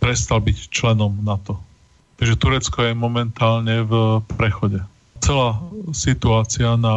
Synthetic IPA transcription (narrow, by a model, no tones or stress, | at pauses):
pɾɛst̪albict͡ʃlɛnɔmnat̪ɔ | t̪aɡʒɛt̪uɾɛt͡skɔjɛmɔmɛnt̪aːlɲɛvpɾɛxɔɟɛ | t͡sɛlaːsit̪uaːt͡sɪana